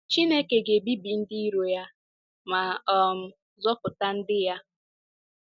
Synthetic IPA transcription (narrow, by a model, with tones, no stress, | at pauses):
t͡ʃi˦ne˦ke˨ɡe˨bi˦bi˨n̩˦di˦i˦ɾo˨ja˦ | ma˨ɔ˨m̩˨ | zɔ˦pʊ˨ta˦n̩˦dɪ˦ja˦